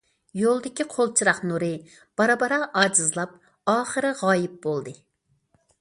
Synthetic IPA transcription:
jolˠd̪ɪkʲiqʰolˠt͡ʃʰiɾɑχnuɾɨ | b̥ɑɾɑbɑɾɑʔɑːd͡ʒizlˠɑp̚ | ɑːχəɾɨʁɑːjip̚bolˠd̪ɨ

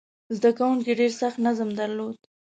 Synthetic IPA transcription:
zd̪akawuŋkiɖeɾsaxt̪nazəmd̪aɾlod̪

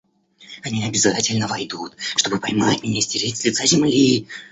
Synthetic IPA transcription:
ɐnʲiɐbʲɪzatʲɪlʲnəvɐjd̪ut̪ʂt̪o̞bɨpɐjmatʲmʲɪnʲesʲtʲɪɾʲetʲlʲɪt̪sazʲɪmlʲi

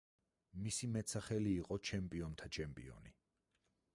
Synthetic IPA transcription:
misimɛt̪saχɛliːqʼɔt͡ʃʰɛmpʼiɔnt̪ʰat͡ʃʰɛmpʼḭɔ̰ni

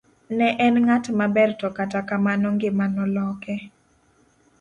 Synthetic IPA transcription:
nɛʔɛnŋatmabɛrtɔkatakamanɔŋɡɪmanɔlɔkɛ

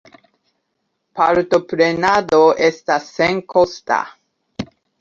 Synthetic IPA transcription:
paɾt̪opɾenad̪oʔestasːeŋkʰosta̰

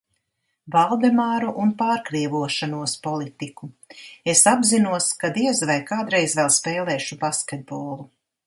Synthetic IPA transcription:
valˠd̪ɛmaːɾuʔunpaːɾkɾiɛvuɔʃanuɔspɔlˠit̪iku | esabzinuɔskad̪iɛzvajkaːd̪ɾɛjzvɛlˠspɛːlˠɛːʃubaskʲed̪̚bɔːlˠu

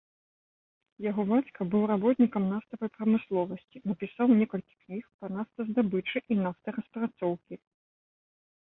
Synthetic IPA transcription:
jaɣɔbat͡sʲkɐbɨwɾabɔt̪nʲikɐmnast̪ɐvɐjpɾɐmɨslˠɔvɐsʲt͡sʲinɐpʲisawnʲɛkɐlʲkʲi̥knʲixpɐnaft̪ɐzd̪abɨt͡ʂɨʔinaft̪ɐrɐspɾat̪sɔwkʲi

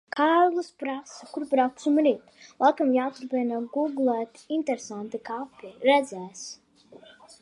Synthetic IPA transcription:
kʰaːɾlˠɨspɾasakuɾpɾawk̚t̪sumɾiːt̪lˠakamjaːt̪ɾpɛnaɡuɡlˠɛːt̪int̪ɛɾɛsant̪ikapiɾɛd̪zʲɛːs

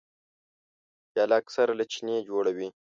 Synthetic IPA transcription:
jalaksaɾalat͡ʃʰined͡ʒoːɽawi

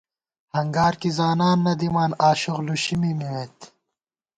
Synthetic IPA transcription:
hɐŋɡaːɾkizaːnaːnːɐd̪imaːnaːɕuɣluɕimimiweːt̪

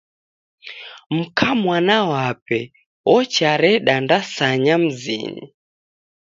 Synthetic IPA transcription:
m̩kʰamwanawapɛ | wɔt͡ʃaɾɛɗandasaɲam̩zḭnḭ

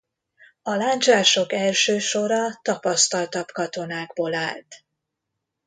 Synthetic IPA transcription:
ɒlaːɲt͡ʃaːʃo̞kɛlʃøːʃo̞ɾɒt̪ɒpɒst̪ɒlt̪ɒbkɒt̪o̞naːɡboːla̰ːlt̪

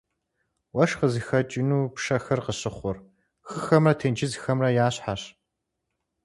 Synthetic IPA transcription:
wɐʃqəzɨxɐt͡ʃʼɪnuːpʂɐxɐrqəɕɪχʷʊr | xɨxɐmrɐtʰend͡ʒɪzxɐmrɐjaːɕħaɕ

